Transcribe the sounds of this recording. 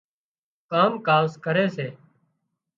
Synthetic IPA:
kaːmkaːskəɾeːseː

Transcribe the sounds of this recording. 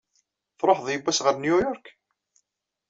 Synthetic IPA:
θɾˤoħðˤjəbːæsʁəɾnjujɔɾk

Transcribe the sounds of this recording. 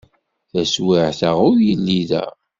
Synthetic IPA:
θæswiʕθəʁʊɾjəlːiðæ̰

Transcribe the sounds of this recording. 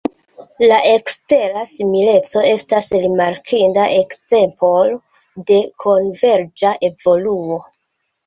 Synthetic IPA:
laʔe̞kste̞ɾasimile̞t͡so̞e̞stasɾimaɾkʰindaʔekze̞mpol | de̞kʰo̞nve̞ɾd͡ʒaʔe̞vo̞luo̞

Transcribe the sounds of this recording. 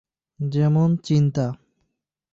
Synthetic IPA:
d͡ʑɛmont͡ɕint̪a

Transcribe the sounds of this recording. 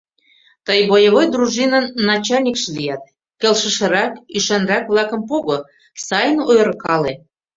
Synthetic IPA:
t̪əjβojəβojd̪ruʒinənːɑt͡ɕɑlʲnʲikʃelijɑt̪̚ | kelʃə̆ʃə̆ɾɑkyʃɑnrɑkβlˠɑkə̆mpoɣo | sɑjənojɾkɑle

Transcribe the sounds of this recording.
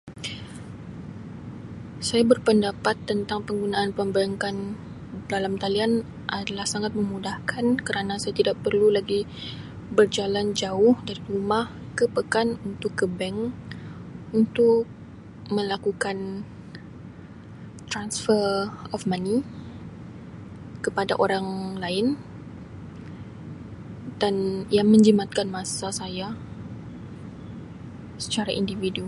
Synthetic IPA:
sajabərpəndapat̪ːənt̪aŋpəŋɡunaʔːnpəmbəɾaŋkan | dalamt̪alian | ʔadalahsaŋat̪̚mə̃mudahkʰankəɾanãsajat̪idaʔpərlulaɡi | bərd͡ʒaland͡ʒaʊhdaɾiɾumah | kəpəkanunt̪ʊkːəbɛŋ | unt̪ʊk̚ | mə̃lakukan | t̪ɾansfərɔfmãni | kəpada̰ʔoɾaŋlaɪn | d̥aniamə̃ɲd͡ʒəmat̪̚kanmãsasaja | sə̥t͡ʃaɾaʔḭndividuu

